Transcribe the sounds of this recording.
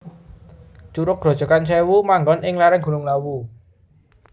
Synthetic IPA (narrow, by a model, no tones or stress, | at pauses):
t͡ʃuɾʊk̚ɡ̥ɾɔ̤̥d͡ʒ̥ɔ̤kant͡ʃʰɛwumaŋɡɔnʔɪŋlaɾaŋɡ̥ṳlʊŋlawu